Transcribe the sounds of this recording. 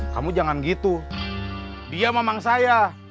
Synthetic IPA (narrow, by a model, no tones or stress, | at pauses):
ka̰mud͡ʒaŋanɡit̪u | diamemaŋsaja